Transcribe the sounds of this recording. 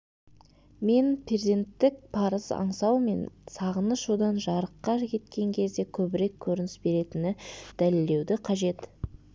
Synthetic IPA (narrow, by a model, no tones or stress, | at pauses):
me̞npʰeze̞nt̪ːɪk̚pʰɑɾəzɑ̰ɴsɑwme̞̰nsɑʁənəʃud̪ɑnʒɑɾəqːɑʒkʲʰe̞t̪kʲe̞ŋkʲʰe̞zd̪e̞kʲʰɵbɪɾe̞kʲʰːɵɾɪnɪsbe̞ɾe̞t̪ɪnɪd̪̥æle̞lːe̞wd̪ɪqʰɑʒe̞t̪